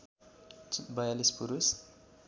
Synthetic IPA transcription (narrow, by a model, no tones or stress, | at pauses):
bajalispuɾus